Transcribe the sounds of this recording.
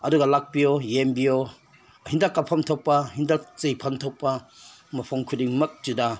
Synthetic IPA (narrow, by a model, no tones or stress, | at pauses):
ɐduɡɐlak̚biojembio | hindakːapʰɐmtʰɔp̚pːɐhindak̚t͡sejpʰɐntʰɔp̚pːɐ | mɐpʰɔŋkʰudiŋmɐk̚d͡ʒuda